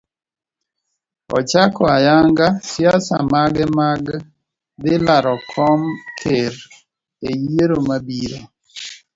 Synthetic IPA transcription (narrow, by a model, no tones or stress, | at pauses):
ɔ̰t͡ʃakɔajaŋɡasjasamaɡɛmaɡ | d̪ɪlaɾɔkʰɔmkʰeɾ | ejeɾomabiɾo